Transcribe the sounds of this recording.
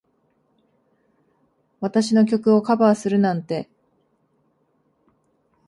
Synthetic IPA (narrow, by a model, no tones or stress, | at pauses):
βat̪aɕino̞kʲo̞kɯ̟o̞kabaːsɨɾɯ̟nãnt̪e̞